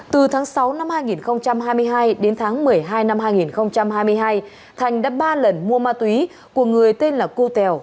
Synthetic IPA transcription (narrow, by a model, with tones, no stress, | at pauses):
t̪ɨ˨˩t̪ʰaː˨˦ŋsa˨˦wna˧mhaː˧jŋi˨˩nxə˧wŋ͡mt͡ɕa˧mɦaː˧jmɨ˧əjɦaː˧jɗe˨˦nt̪ʰaː˨˦ŋmɨ˨˩əjɦaː˧jna˧mhaː˧jŋi˨˩nxə˧wŋ͡mt͡ɕa˧mɦaː˧jmɨ˧əjɦaː˧j | t̪ʰa˨˩jŋ̟ɗaː˨˦˥ɓaː˧lə˨˩nmu˧əmaː˧t̪wi˨˦ | ku˧˩əŋɨ˨˩əjt̪e˧nlaː˨˩ku˧t̪ɛ˨˩w